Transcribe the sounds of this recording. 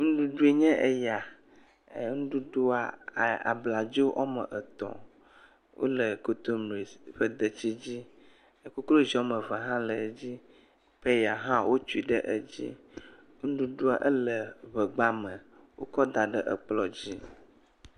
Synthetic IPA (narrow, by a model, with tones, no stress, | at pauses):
ŋũ˦ɖu˦ɖu˦e˨ɲɛ̃˦ʔe˦ja˨ | ŋũ˦ɖu˦ɖu˦a˨a̰˨bla˨d͡ʒo˦ʔɔ̰˦mə̰˨ʔə˨t̪ɔ̰̃˨ | wʔo̰˦lə˨ko˦t̪o˦mɾi˨sɸə˦d̪ə˨t͡ɕi˦d͡ʑi˦ | e˨ku˦klo˦zi˨ɔ˦mə̃˨va˨ɦã˦lə˨d͡ʑi˦ | ɸe˦ja˨ɦã˦wʔo˦t͡ʃu˦i˨ɖə˦ʔə˦d͡ʑḭ˦ | ŋũ˦ɖu˦ɖu˦a˨ʔə˦lə˨βə˨ɡ͡ba˦mə̃˨ | wo˦kɔ˦d̪a˨ɖə˦ʔə̰˨k͡plɔ˨d͡ʑi˦